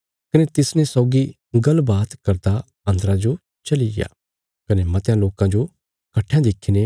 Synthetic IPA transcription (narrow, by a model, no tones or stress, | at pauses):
kɐnet̪ɪsnẽsɔːɡi | ɡɐlbaːt̪kɐɾd̪a | ɐ̃nd̪əɾãd͡ʒo | t͡ʃɐlija̰ː | kɐnemɐt̪jãloːkãd͡ʒo | kɐʈʰːjãd̪ɪkʰine